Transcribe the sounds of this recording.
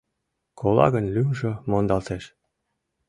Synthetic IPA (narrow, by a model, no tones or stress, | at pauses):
kʰolˠɑ̰ɣənlymʒɤ̆mond̪ɑlt̪eʃ